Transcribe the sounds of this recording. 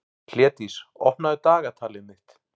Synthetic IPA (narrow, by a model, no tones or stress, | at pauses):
l̥jɛːt̪isɔhpnaðʏt̪aːɣat̪ʰaːlɪnɪht̪